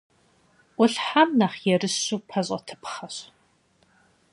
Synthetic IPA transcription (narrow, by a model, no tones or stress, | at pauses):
ʔʷʊɬħamnaːχjɛrɨɕuːpʰɐɕʼɐ̰tʰɨ̥pχɐɕ